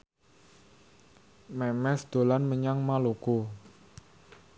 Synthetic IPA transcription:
mɛmɛsd̪̥o̤lanməɲaŋmaloko

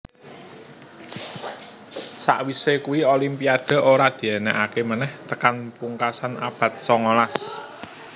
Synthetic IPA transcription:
sa̰ʔwisekuwiolimpiaɖ̪̥a̤ʔoɾad̪̥i̤ɛnɛʔakemənɛht̪əkanpuŋkasana̰b̥ä̤t̪̚sɔŋolas

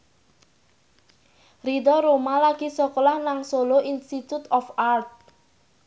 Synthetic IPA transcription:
rid̪ɔɾomalaɡ̥isɔkɔlahnaŋsoloʔinst̪it̪ut̪ɔfart̪̚

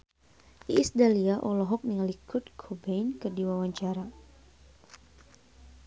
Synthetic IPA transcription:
iisdaliaʔɔlɔɦɔk̚naŋlikʰʊt̪kʰobɛjnkɨrdiwawaɲt͡ʃaɾa

